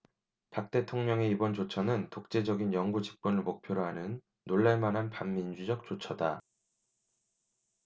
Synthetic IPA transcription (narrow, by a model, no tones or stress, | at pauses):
pak̚t͈e̞tʰoŋɲʌŋe̞ibʌnt͡ɕot͡ɕʰʌnɯntok̚t͡ɕ͈e̞d͡ʑʌɡinjʌŋɡut͡ɕi̥k͈wʌnɯɭmok̚pʰjoɾoɦanɯnː | oɭːamanɦanpamːind͡ʑud͡ʑʌk̚t͡ɕ͈ot͡ɕʰʌda